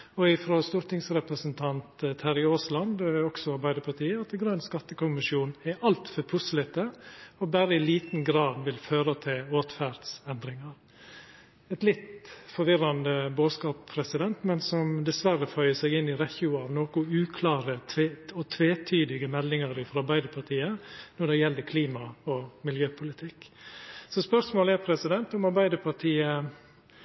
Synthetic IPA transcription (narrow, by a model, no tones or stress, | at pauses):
ɔɪfɾost̪uːɾt̪ɪŋsɾɛpɾəsənt̪ʰɑnt̪ət̪ʰæɾɪoːslɑnd̪ɔksɔɑɾbæɪd̪əpʰɑt̪ʰiːəɑt̪ɛɡɾœnskɑt̪ːəkʊmɪʂjuːnɛʔɑlt̪fɔpʰʊslɪt̪əɔbæːɾəɪliːt̪n̩ɡɾɑːd̪ʋɪlføːɾət̪ʰɪloːt̪fæɾd̪sɛnd̪ɾɪŋɑɾ | ɛt̪lɪt̪fɔɾʋɪɾɑnd̪əboːskɑːpʰːɾɛsɪd̪ɛnt̪mɛnsɔmd̪ɛsʋæɾəfœʏəsɛɡɪnːɪɾɛçɪʊɑʋnoːkʊʉːkʰlɑːɾəeɔt̪ʰʋeːt̪ʰyːd̪ɪɡəmɛlːɪŋɑɾɪfɔɾɑɾbæɪd̪əpʰɑʈʰiːənɔɖɛjɛld̪əkʰliːmɑɔmɪljøːpʰʊlɪt̪ʰɪkːsɔspœʂmoːlæɾpʰɾɛsɪd̪ɛnt̪ʊmɑɾbæɪd̪əpʰɑʈʰiːə